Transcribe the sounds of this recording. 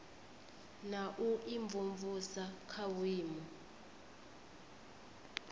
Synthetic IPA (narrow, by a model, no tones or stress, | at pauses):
naʔuʔiɱvʱuɱvusakʰawiːmɔ